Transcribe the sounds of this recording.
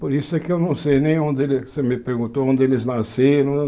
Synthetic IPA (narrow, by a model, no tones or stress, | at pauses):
poɾisʊɛkɪewnɐ̃w̃sejnẽj̃õnd̪ɪelɪsemɪpeɾɡũnt̪oõnd̪ɪelɪznaseɾɐ̃